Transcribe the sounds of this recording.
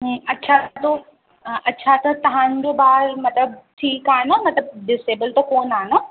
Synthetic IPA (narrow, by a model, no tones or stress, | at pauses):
ɦɐtːɕʰat̪ʰo | ʔɐtːɕʰat̪ʰɐt̪ɐɦãɲd͡ʑobaːɾmɐt̪ləb̚ʈʰiːkaːnomɐt̪ləb̚ɖɪseːbəlt̪okoːnaːno